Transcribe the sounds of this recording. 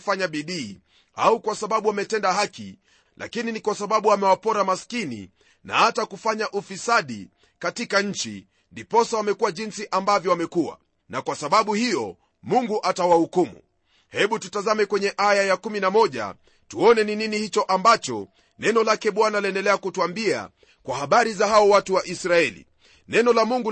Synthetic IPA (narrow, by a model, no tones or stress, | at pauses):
faɲaɓiɗiː | a̰ukwasaɓaɓuamɛtɛndaɦakḭ | la̰kininikwasaɓaɓuamɛwapɔɾamaskinḭ | na̰hatakufaɲaʔufisaɗi | katikaɲ̩t͡ʃḭ | ndipɔsawamɛkuwaʄinsiʔambavjɔwamɛkuwa̰ | nakwasaɓaɓuhijɔ | muŋɡuʔatawahukumṵ | hɛɓututazamɛkwɛɲɛʔajajakuminamɔʄa̰ | tuɔnɛnininihit͡ʃɔʔambat͡ʃɔ̰ | nɛnɔlakɛɓwanaaliɛndɛlɛakutuambia̰ | kwahaɓaɾizahaɔwatuwaʔisɾaɛlḭ | nɛnɔlamuŋɡu